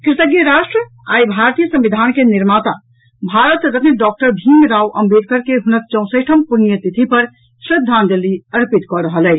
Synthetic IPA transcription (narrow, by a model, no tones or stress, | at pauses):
kɾit̪əɡijəɾasʈɾə | a̰ibʱaɾt̪ijəsə̃mbid̪ʱankeniɾmat̪a | bʱaɾət̪ɾət̪neɖɔk̚ʈəɾbʱinɾawʔəmbed̪̚kəɾkeɦunək̚t͡ʃə̃ʊ̃səʈʰəmpunijət̪it̪ʰipəɾ | sɾid̪ʱːand̪elːiəɾpit̪kɔɾəɦəlɛ